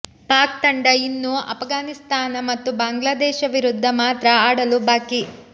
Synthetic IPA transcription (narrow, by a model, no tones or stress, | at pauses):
paːk̚t̪ɐɳɖɐinːuɐ̰pʰɡaːnist̪ʰaːnɐmɐt̪ːubaːŋɡlaːd̪ɛːʃɐʋiɾud̪ʱːɐmaːt̪ɾɐaːɽɐlubaːki